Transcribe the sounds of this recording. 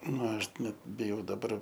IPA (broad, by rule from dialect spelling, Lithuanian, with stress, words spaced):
ˈnɐ ˈɐʃ ˈnʲɛt bʲɪˈjɛʊ dɐˈbɐr